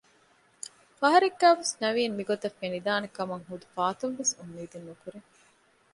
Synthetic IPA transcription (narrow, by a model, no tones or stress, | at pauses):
fɐɦɐɾeɡːæːʋesnɐʋiːmmiɡot̪ɐfːenid̪aːnekɐmɐŋɦud̪ufaːt̪umʋesumːiːd̪enːukuɾeŋ